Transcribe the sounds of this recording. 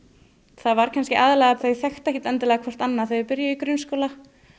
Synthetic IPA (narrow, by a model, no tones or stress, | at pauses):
θavaɾ̥kʰanscɪʔaːðɪlɛːɣaθœɥθjɛxt̪ɛhcɪt̪ɛnt̪ɪlɛːɣakʰɔr̥t̪anːaθœɥpɪɾjaikɾʏnskoːwla